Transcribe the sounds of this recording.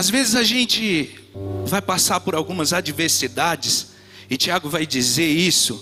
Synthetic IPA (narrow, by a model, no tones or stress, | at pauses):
azvezɪzaʒẽnt͡ʃɪ | vajpasaɾpʊɾawɡũmɐzad͡ʒiveɾsid̪ad͡ʒɪs | ɪt͡ʃiaɡʊvajd͡ʒizeɾisʊ